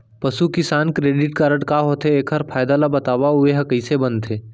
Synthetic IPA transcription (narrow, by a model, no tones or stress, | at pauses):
pəsukɪsaːnkɾeːɖɪʈkaɾəɽkaɦoːt̪ɦeeːkʰəɾpʰaːɪd̪alabɐt̪aːʋaʊeɦɐkəisebənt̪ʰeː